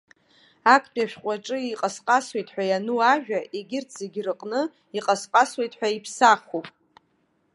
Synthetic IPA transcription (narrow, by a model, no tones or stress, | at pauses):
akʰbʼjaʃᶣqʷʼaʈ͡ʂʼɨiqʼasqʼaswe̞jtʼħʷᶣajanuaʒᶣaʔeɡʲɪrtʰz̥e̞ɡʲrɨqʼnɨ | iqʼasqʼaswe̞jtʼħʷᶣaipʰsaχopʼ